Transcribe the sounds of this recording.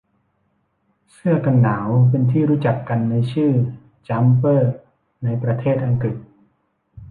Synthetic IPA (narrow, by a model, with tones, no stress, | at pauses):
sɯ˥˩ɐka˧nːaː˩˦wp̬e˧nt̪ʰiː˥˩ɾuː˦˥t͡ɕa˨˩kːa˧nːa˧jt͡ɕʰɯː˥˩ | t͡ɕa˦˥mpɤː˥˩ | na˧jpɾa˧t̪ʰeː˥˩t̪̚ʔa˧ŋkɾi˨˩t̪̚